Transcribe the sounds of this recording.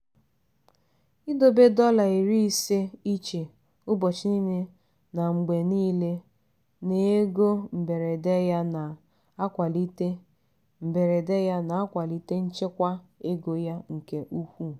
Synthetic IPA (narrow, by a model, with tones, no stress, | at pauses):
i˦do˨be˦dɔ˦la˨i˨ɾi˦i˦se˦i˦t͡ʃe˨ | ʊ˦bɔ˨t͡ʃɪ˦ni˦ne˦ | na˨ŋ͡m̩˨ɡ͡be˨niː˦le˦ | ne˨e˦ɡo˦m̩˨be˨ɾe˨de˦ja˦na˨ | a˦kʷa˨li˦te˦ | m̩˨be˨ɾe˨de˦ja˦na˨a˦kʷa˨li˦te˦n̩˦t͡ʃe˦kʷa˦e˦ɡo˨ja˦ŋ̩˨ke˦ʔu˦hʷu˦